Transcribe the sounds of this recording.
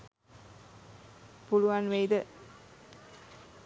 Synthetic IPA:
puluʋanʋejd̪ə

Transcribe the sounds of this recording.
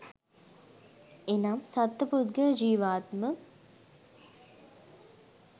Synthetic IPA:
enamsɐt̪ːɐpud̪ɡəd͡ʒiːʋaːt̪mə

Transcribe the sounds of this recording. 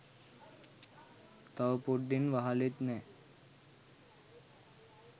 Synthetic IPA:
t̪awpuɖːinʋaɦalit̪nɛ

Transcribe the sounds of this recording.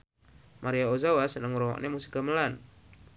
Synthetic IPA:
maɾiaozawasənəŋɾɔwa̰ʔnemusi̥kaməlan

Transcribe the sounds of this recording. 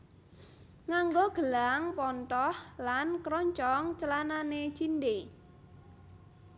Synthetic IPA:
ŋaŋɡoɡ̥ə̤laŋpɔnt̪ɔhlankɾɔɲt͡ʃɔŋt͡ʃəlananet͡ʃinɖe

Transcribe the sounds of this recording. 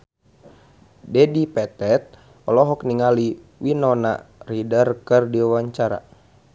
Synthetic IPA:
dɛdipɛt̪ɛt̪̚ | ɔlɔɦɔkniŋali | winɔna̰ridərkɨrdiawaɲt͡ʃaɾa̰

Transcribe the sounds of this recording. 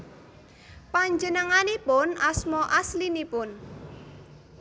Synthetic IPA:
paɲd͡ʒənəŋanipʊnasmɔʔaslinipʊn

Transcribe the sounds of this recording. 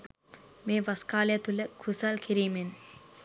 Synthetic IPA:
meːʋaskaːljat̪uləkʰusalkʰiɾiːmen

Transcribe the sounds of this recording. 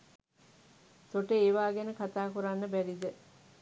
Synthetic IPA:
t̪oʈəeːʋaːɡɛnəkat̪aːkuɾanːəbæɾid̪ə

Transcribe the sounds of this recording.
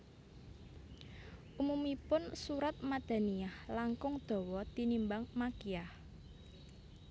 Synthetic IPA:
ʔumumipʊnsuɾat̪̚mad̪̥a̤niahlaŋkʊŋd̪̥o̤wɔt̪inimbaŋmakiah

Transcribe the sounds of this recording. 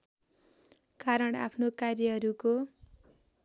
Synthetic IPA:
kaɾʌɽa̰pʰnokarjʌɦʌɾuko

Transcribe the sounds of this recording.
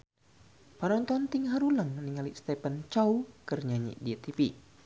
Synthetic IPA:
paɾɔŋt̪ɔnt̪ɪŋɦaɾuləŋniŋaliʔst̪ɛpənt͡ʃaukərɲaɲḭʔdit̪ipi

